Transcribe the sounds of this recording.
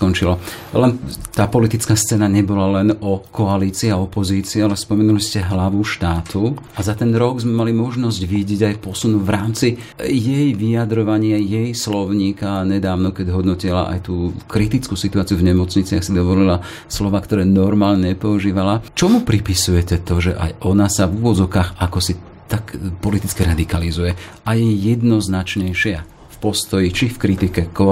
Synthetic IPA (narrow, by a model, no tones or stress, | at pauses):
kɔnt͡ʃilalɛnt̪aːpɔlit̪it͡skaːst͡sɛːnaɲɛbɔlalɛnɔkɔaliːt͡siːaɔpɔziːt͡siːalɛspɔmɛnuliscɛɦlaʋuʃt̪aːt̪u | azat̪ɛnɾɔɡzmɛmalimɔʒnɔzɟʋiɟɛɟajpɔsunuʋɾaːmt͡si | jɛjʋijad̪ɾɔʋaɲɪajɛjslɔʊɲiːkaɲɛd̪aːʊnɔkɛɟɦɔd̪nɔcila̰ʔa̰jt̪uːkɾit̪it͡skusit̪uaːt͡siuvɲɛmɔt͡sɲit͡sɪaxsid̪ɔʋɔlila | slɔʋaːkt̪ɔɾɛːnɔɾmaːlɲɛɲɛpɔuʒiːʋalat͡ʃɔmupɾipisujɛcɛt̪ɔʒɛʔa̰jʔɔnasavuʋɔd͡zɔʊkaːxakɔsi | t̪akpɔlit̪it͡skiɾad̪ikalizujɛʔajɛjjɛd̪nɔznat͡ʃɲɛjʃɪa | fpɔst̪ɔjit͡ʃifkɾit̪ikɛkɔ